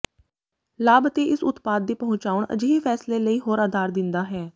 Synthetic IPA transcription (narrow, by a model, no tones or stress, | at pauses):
laːbət̪eːʔɪsʊt̪paːd̪ːeːpəɦʊ̃t͡ʃaːʊɳə̰d͡ʒeːepʰɛːsleːləiːɦoːɾaːd̪ʱaːɾd̪ɪnd̪aːɦɛː